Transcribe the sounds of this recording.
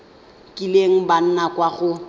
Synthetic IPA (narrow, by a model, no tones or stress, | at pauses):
kʼileŋ̩ban̩nakwaɣʊ